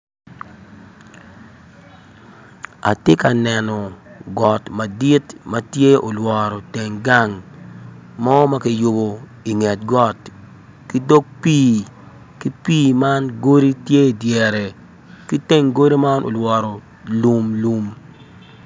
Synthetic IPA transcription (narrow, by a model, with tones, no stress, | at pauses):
a̰˨te˦ka˨nɛ˨nɔ˨ɡɔ˨tma˨di˦tma˦tje˦o˨lwɔ˨ɾɔ˨te˨ŋɡa˦ŋ | mɔ˦ma˦ki˨jʊ˨bo˨ | i˨ŋɛ˨t̚ɡɔ˦t | ki˦do˦k̚piː˦ | ki˦piː˦ma˦nɡo˦ɾi˦tje˦˨djɛ˨ɾe˨ | ki˦te˦ŋɡo˦ɾi˦ma˦nʔo̰˨lwɔ˨ɾɔ˨ | lu˦mlu˦m